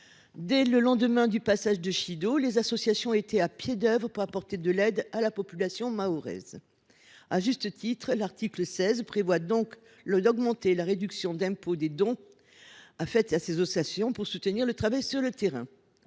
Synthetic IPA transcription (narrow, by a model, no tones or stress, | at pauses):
d̪ɛləlɑ̃d̪əmɛ̃d̪ypasaʒd̪əʃid̪olezasɔsjasjɔ̃et̪ɛapjed̪œvʁəpuʁapɔʁt̪ed̪əlɛd̪alapɔpylasjɔ̃maoʁɛ̰z | aʒyst̪ət̪ʰit̪χlaʁt̪ikləsɛzpχevwad̪ɔ̃k | dɔɡmɑ̃t̪elaʁed̪yksjɔ̃d̪ɛ̃pod̪ed̪ɔ̃ | afɛt̪asezɔsasjɔ̃puʁsut̪niʁlət̪χavajsyʁlət̪eʁɛ̰̃